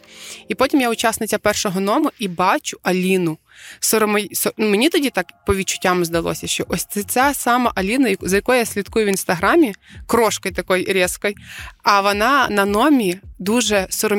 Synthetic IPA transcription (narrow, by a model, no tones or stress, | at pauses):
ipɔtʲimjaʊt͡ʃɑsnɪt͡sʲɐpɛrʃɔɦɔnɔmʊʔibɑt͡ʃʊ̥ʔɐlʲinʊ | sɔɾɔmɐjsɔnumenʲit̪ɔdʲit̪ɑkpɔʋʲid̪̚t͡ʃʊ̥tʲːamɪzd̪ɐlˠɔ̰sʲɐʃt͡ʃɔʔɔsʲt̪ɛt͡s̪ʲasɑmɐʔɐlʲinɐjɐzɐjɐkɔjʊjasʲlʲit̪kujʊʋʲinst̪ɐɦɾɑmʲikɾɔʃkɔjt̪ɐkɔjɾʲɛskɔjɐʋɔnɑnɐnɔmʲid̪uʒɛsɔɾɔ